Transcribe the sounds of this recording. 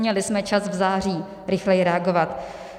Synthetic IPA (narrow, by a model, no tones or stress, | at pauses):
ɲɛlɪsmɛt͡ʃasvzaːriː | ɾɪxlɛjɪɾɛaɡo̞vat̪